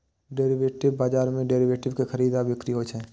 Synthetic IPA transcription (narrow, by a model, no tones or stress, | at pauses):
ɖeːɾɪʋeːʈɪbbaːd͡ʒaːɾmẽɖeːɾiʋeːʈɪbkexəɾiːd̪abɪkɾiɦot͡ʃʰɛ̃ː